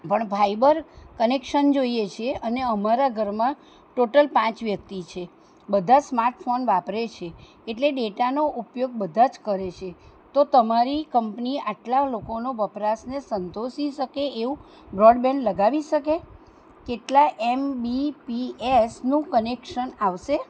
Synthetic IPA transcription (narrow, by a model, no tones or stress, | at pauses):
pəɳbʱaibəɾkənekʃənd͡ʒoiet͡ʃʰeʔəneəmaɾaɡʱəɾmã | ʈoʈəlpãt͡ʃʋjək̚t̪it͡ʃʰe | bəd̪ʱasmaɾʈfonʋapɾet͡ʃʰeː | ʈleɖeʈanoʔupjoɡ̚bəd̪ʱad͡ʒkəɾet͡ʃʰe | t̪ot̪əmaɾikəmpniaʈlalokonoʋəpɾasnesənt̪oʃiʃəkeeʋũ | bɾɔɖbɛ̃ɳɖləɡaʋiʃəke | keʈlaʔɛmbipiesnũkənekʃənaʋʃe